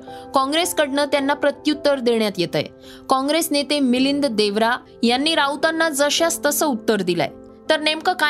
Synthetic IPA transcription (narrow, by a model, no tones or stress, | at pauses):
kɔ̃ŋɡɾeskəɽɳət̪janːapɾət̪jut̪ːəɾd̪eɳjat̪jet̪ə̰j | kɔ̃ŋɡɾesnet̪emilind̪d̪eʋɾa | janːiːɾaut̪anːad͡zəɕast̪əsəut̪ːəɾd̪ila̰j | t̪əɾnemkəka